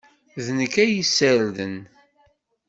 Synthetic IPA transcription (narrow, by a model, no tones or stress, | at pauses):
ðnəkːæjisəɾðən